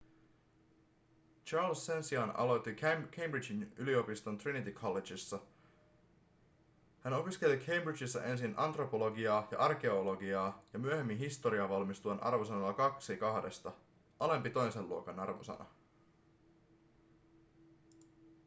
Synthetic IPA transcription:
t͡ʃɑːlsːe̞nsiɑnɑ̰lot̪ːikkʰejmbɾid͡ʒinylio̞pist̪o̞nt̪rinit̪ikʰolːed͡ʒisːɑ | hæno̞piske̞likʰejmbrit͡ʃisːɑ̰ʔe̞nsinʔɑ̰nt̪ro̞po̞lo̞ɡiɑːjɑ̰ʔɑrke̞olo̞ɡiɑːjɑmyøhe̞mːinɦist̪o̞ɾiɑʋɑlmist̪uɑnʔɑ̰rʋo̞sɑnɑlːɑkɑksikɑhde̞st̪ɑ | ʔɑle̞mpit̪o̞jse̞lluo̞kɑnɑrʋo̰sɑ̰nɑ̰

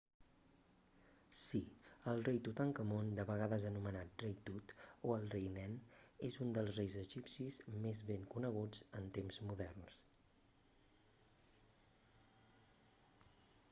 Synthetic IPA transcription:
siəlˠrejt̪ut̪aŋkəmond̪əβəɣ̞aðəzənumənat̪̚rejt̪ut̪oəlˠrejnɛnezund̪əlˠzrejzəʒipsizmezβeŋkunəɣ̞ud͡zənt̪emzmuðɛrns

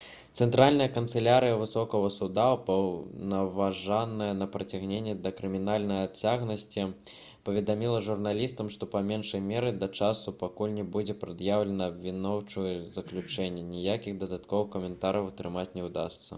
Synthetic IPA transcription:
t̪sɛnt̪ɾalʲnɐjɐkɐnt̪sɛlʲaɾɨjɐvɨsɔkɔɣɐsud̪apɐwnɐvaʐanːɐjɐnɐpɾɐt͡sʲaɣnʲenʲːɛd̪ɐkɾɨmʲinalʲnɐjat͡sʲaɣnɐsʲt͡sʲi | pɐvʲɛd̪amʲilˠɐʐurnalʲist̪ɐmʂt̪ɔpamʲɛnʂɐjmʲɛɾɨd̪ɐt͡ʂasupakulʲnʲɛbud͡zʲɛpɾɨd̪jawlʲɛnɐːbʲvʲinɔwt͡ʂujɛzɐklʲut͡ʂɛnʲːɛnʲijakʲiɣd̪ɐd̪at̪kɔvɨxkɐmʲɛnt̪aɾɐwt̪ɾɨmat͡sʲnʲɛwd̪a̰st̪sːɐ̰

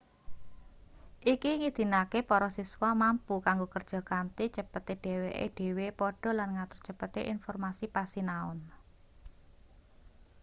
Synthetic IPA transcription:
ʔikiŋid̪̥i̤nakepɔɾɔsiswamampukaŋɡokərd̥ʒ̥ɔ̤kant̪it͡ʃəpət̪eɖ̥e̤weʔḛɖ̥e̤wepɔɖ̥ɔ̤lanŋat̪ʊrt͡ʃəpət̪eʔinfɔrmasipasinaʊ̰n

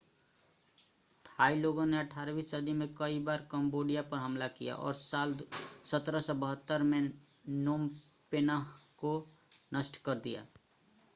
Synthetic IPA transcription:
t̪ʰaːiloːɡõneəʈʰaːɾʋiːssəd̪imẽkəibaːɾkə̃mboːɖijapəɾɦəmlakija̰ʔɔ̰ːɾsaːlsət̪ɾəsɔbəɦət̪ːəɾmẽ | noːm | penako | nəsʈkəɾd̪ija̰ː

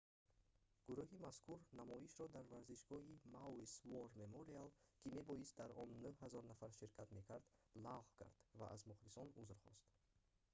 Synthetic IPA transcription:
ɡ̥uɾuhimaskʰuɾnamɔiʃɾɔd̪aɾvaɾziʃɡɔimawsvoɾmemoɾialkʰime̞bɔist̪̚d̪aɾɔnːuhazɔɾnafaɾʃiɾkʰat̪me̞kʰaɾd̪laʁkʰa̰ɾd̪̥va̰ʔa̰zmuχlisɔnuzɾχɔ̰st̪

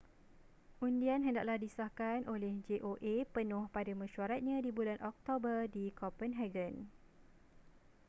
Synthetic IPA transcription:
ʔundianɦəndaʔlahdisahkanʔolɛhd͡ʒeʔoʔepənʊ̃hpadamə̃ʃuaɾat̪̚ɲãdibulanʔɔk̚t̪obərdikʰɔpənɦɛɡən

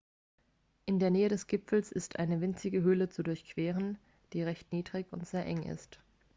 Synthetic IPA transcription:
ʔɪndeːɐnɛːəɾɛsɡ̥ɪpfl̩sɪstʔaɪnəvɪnt͡sɪɡəɦøːlət͡sudʊɐçkv̥eːʁən | d̥iːʁɛçtniːdʁɪçʊ̰ntz̥eːɐʔɛŋʔɪ̰st

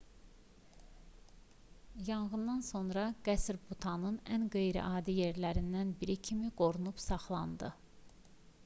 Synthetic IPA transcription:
jɑɴɣɯnd̪ɑnso̞nɾɑɡ̥æsɾbut̪ʰɑnɯnænɡe̞jɾḭʔɑːd̪ije̞ɾlæɾind̪ænbiɾicʰimiɡo̞ɾunupsɑχlˠɑnd̪ɯ

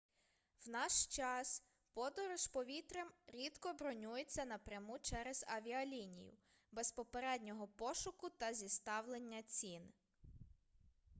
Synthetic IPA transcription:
wnɑʃt͡ʃɑs | pɔd̪ɔɾɔʃpɔʋʲit̪ɾemɾʲid̪kɔbɾɔnʲujet͡sʲːɐnɐpɾʲjɐmut͡ʃɛɾez̥ɐʋʲiɐlʲinʲḭjʊ̰ | bespɔpeɾɛd̪ʲnʲɔɦɔpɔʃʊkʊt̪ɐzʲist̪ɑwlˠe̞nʲːɐt͡sʲin

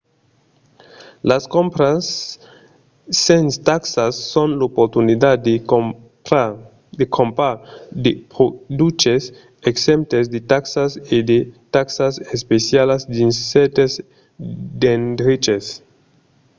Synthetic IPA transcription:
laskõmpɾas | ẽnst̪aksasːõnlopoɾt̪unid̪ad | d̪ekʰõmpad̪epod̪ut͡ʃes | eksẽmp̚t̪esd̪et̪aksased̪et̪aksasespesjalasdinset̪es | d̪end̪ɾit͡ʃes

